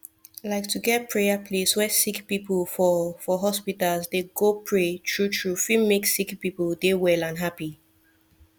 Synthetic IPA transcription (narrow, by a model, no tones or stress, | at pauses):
laɪk̚tʰuɡɛt̚pʰɹejəpʰleswɛsikpipəlfɔfɔɦɔspitalsdeɡopʰɹetʰɹutʰɹufĩmeksikpipəldewɛlãnɦapi